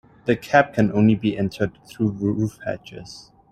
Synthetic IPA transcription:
ðɨkʰæp̚kʰɨ̃nʔõʊ̃nlibiʔɛ̃ntʰə˞d̪̚θɹuðɹufhæ̰t͡ʃɪ̰z̥

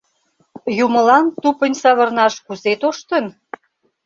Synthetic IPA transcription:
jumə̆lɑnt̪upə̆nʲsɑβə̆rnɑʃkuzet̪oʃt̪ə̆n

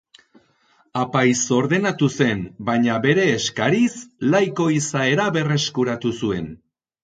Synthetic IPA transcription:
apajso̞ɾðe̞nat̪use̞nbajɲaβe̞ɾe̞ːskaɾislajko̞isae̞ɾaβe̞re̞skuɾat̪usue̞n

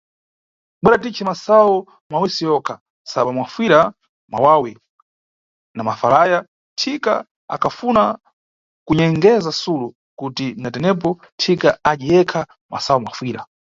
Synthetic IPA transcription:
ɓwɛɾat̬it͡ʃʰɛmasawɔ | mawisijɔkʰa | saɓamwafwiɾa | ma̰wawi | namafalaːja | tʰika̰ | a̰kʰafuna | kuɲɛŋɡɛzasulu | kutinatɛnɛp̬ɔ | tʰikaad͡ʒijɛkʰa | mʔa̰saɔmwa̰fwiːɾa

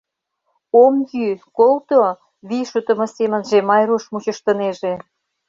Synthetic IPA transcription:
omjykolt̪o | βiʃut̪ə̆mɤ̆semə̆nʒemɑjɾuʃmut͡ɕə̆ʃt̪ə̆neʒe

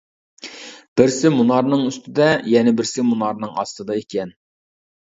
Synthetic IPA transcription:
b̥ɪɾsɪmunɑɾnɨŋyst̪ʰɪd̪ɛjɛnɪbɪɾsɪmunɑɾnɨŋɑ̰st̪ɨd̪ɑekʲʰɛn

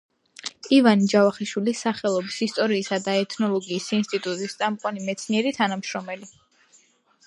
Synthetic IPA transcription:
ivanid͡ʒavaχiʃwilisaχɛlˠɔbisist̪ʼɔɾiːsad̪aɛt̪ʰnɔlˠɔɡiːsinst̪ʼit̪ʼut̪ʼist̪sʼamqʼɔnimɛt̪sʰniɛɾit̪ʰanamʃɾɔmɛli

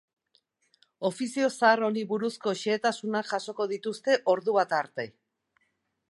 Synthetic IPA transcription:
o̞fisio̞saːro̞niβuɾusko̞ʃeːt̪asunaʝaso̞ko̞ðit̪ust̪e̞ʔo̞ɾðuβ̞at̪aɾt̪e̞

